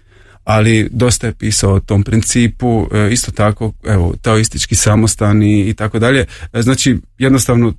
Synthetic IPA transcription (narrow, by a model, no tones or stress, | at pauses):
alid̪o̞st̪ajepiːsaot̪o̞ːmpɾint̪siːpuist̪o̞t̪ako̞eʋo̰t̪aoist̪it͡ʃkisamost̪aniːt̪ako̞d̪aʎe̞znaːt͡ʃijed̪nost̪aʋno